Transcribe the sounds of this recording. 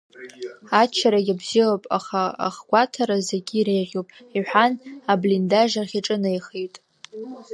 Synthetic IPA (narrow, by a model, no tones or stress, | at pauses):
at͡ʃʰaɾaɡʲabzilopʼa̰χaa̰χɡʷatʰaɾazeɡʲiːɾejʁʲopʼ | iħʷᶣanablindaʒarχʲiʈ͡ʂʼɨnaijχejtʼ